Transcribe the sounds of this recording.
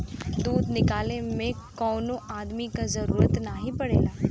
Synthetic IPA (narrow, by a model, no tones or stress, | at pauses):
d̪uːd̪nɪkaːlemẽkɔːnõʔaːd̪mikazɐɾuːɾət̪naɦipɐɽḛːlaː